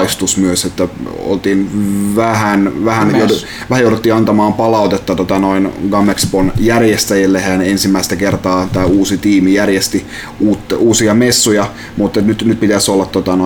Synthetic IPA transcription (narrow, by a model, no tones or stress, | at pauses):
ist̪usmyøset̪ːæ | o̰lt̪iːnʋæhænʋæhænjo | ʋæhæjoˑuɾet̪ːiːɑnt̪ɑmɑːmpɑlɑˑut̪et̪ːɑt̪ot̪ɑnoinɡɑmːeksbonjærjest̪æjilːehænensimːæist̪ækert̪ɑːt̪æːuːsit̪iːmijærjest̪i | uːt̪ːuːsiɑmesːujɑ | mut̪ːet̪nyt̪nyt̪̚pit̪æsolːɑt̪t̪ːot̪ɑno